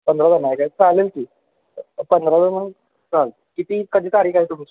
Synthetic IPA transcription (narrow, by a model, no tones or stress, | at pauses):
pənd̪ɾad̪ənajkat͡salelkiː | pənd̪ʱɾad̪əmən | t͡sal | kit̪iːkəd̪iːt̪aɾiːkaɦiːt̪um̤it͡ɕ